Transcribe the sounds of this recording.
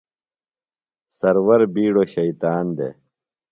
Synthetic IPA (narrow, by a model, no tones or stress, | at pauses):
sɐɾwɐɾbiːɽoːɕɐit̪aːnd̪ḛː